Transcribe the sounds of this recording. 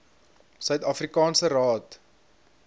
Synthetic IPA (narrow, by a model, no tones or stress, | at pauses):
sœɥtɐfrikɑːnsəɾɑːt